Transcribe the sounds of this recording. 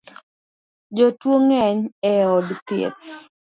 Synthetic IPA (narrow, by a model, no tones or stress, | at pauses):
d͡ʒɔtwoŋɛɲɛɔdt̪ḛt̪